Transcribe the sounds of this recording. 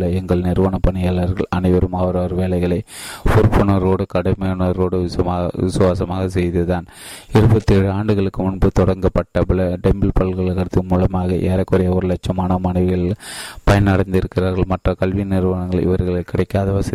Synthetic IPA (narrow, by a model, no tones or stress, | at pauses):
lɐɛŋɡɐɭnɪɾʋɐːɳɐpːɐɳɪjaːɭɐɾɣɐɭɐnɐɪʋɐɾɯmɐʋɐɾaːɾʋeːlɐɪɣɐɭɐɪpʊɾpːʊnɐɾoːɽɯkɐɽɐmɐnɐɾɣoːɽɯɪːʋɪsɯʋaːsɐmaːɣɐsɛjðɯðaːn | ɪɾɯbɐt̪ːiɛɻːɯaːɳɖɯɣɐɭɯkːɯmʊɳbɯt̪ɔɽɐŋɡɐpːɐʈːɐpɯɭɐɖɛmbɪlpɐɭɣɐɭkɐɽɯt̪ːɯmuːlɐmaːɣɐʔeːɾɐkːɔɾɐjɐʋɐɾɯlɐt͡ʃːɐmaːnɐmɐnɐɪʋɯɣɐɭpɐjɐnɐɽɐnd̪ɪɾɯkːɪɾaːɾɣɐɭmɐʈrɐkɐlʋinɪɾʋaːnɐŋɡɐɭɪ̰ʋɐɾɣɐɭɐɪkːɪɽɐɪkːaːðɐʋɐsɪ